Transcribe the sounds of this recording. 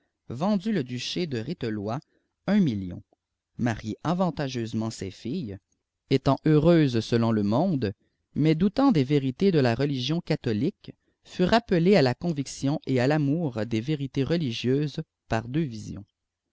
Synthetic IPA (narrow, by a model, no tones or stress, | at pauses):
vɑ̃d̪yləd̪yʃed̪əʁit̪əlwa | ɛ̃miljɔ̰̃ | maʁjeʔavɑ̃t̪aʒøzmɑ̃sɛ̰fij | et̪ɑ̃ʔøʁøːzsəlɔ̃ləmɔ̃d̪ | mɛd̪ut̪ɑ̃d̪eveʁit̪ed̪əlaʁəliʒjɔ̃kat̪ɔlik | fyʁapəlealakɔ̃viksjɔ̃ʔealamuːʁd̪eveʁit̪eʁəliʒjøːz | paʁd̪øvizjɔ̰̃